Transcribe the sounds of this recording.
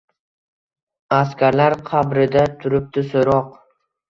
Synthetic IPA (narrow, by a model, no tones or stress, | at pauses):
askʲaɾlaɾqʰɑbɾɪd̪at̪ʰʊɾɪp̚t̪ɪsoɾɒq